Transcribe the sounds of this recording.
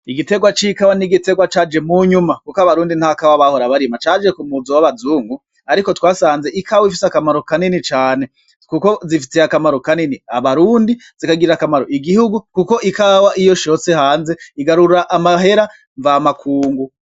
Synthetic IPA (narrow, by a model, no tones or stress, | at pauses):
iɡite̞ɡwat͡ʃikawaniɡite̞ɡwat͡ʃaːd͡ʒe̞muɲumakukaβaɾuːndin̥hakawaβaho̞ɾaβaɾimat͡ʃaːd͡ʒe̞kumuzowaβazuːŋɡu | aɾiko̞twaːsaːnze̞ʔikʰawifiseakamaɾo̞kaninit͡ʃaːne̞ | kuko̞zifi̥seakamaɾo̞kaniniaβaɾuːndizikaɡiɾakamaɾo̞ʔiɡihuɡukuko̞ʔikawaʔijo̞ʃo̞sehaːnze̞iɡaɾuɾɾaʔːmaɦe̞ɾa | ɱvaːmakʰuːŋɡu